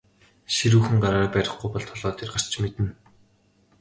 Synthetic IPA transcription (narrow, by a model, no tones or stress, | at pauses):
ʃiɾuːxɘ̆ŋɢaɾaːpæɾʲɪ̆χɡujpɔɮt̪ʰɔɮɔːt̪eːrɢar̥t͡ɕʰmet̪ɘ̆n